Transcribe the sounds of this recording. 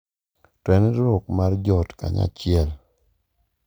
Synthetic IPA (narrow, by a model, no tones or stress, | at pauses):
twɛnɾɔkmard͡ʒɔtka̰ɲa̰t͡ʃɪɛl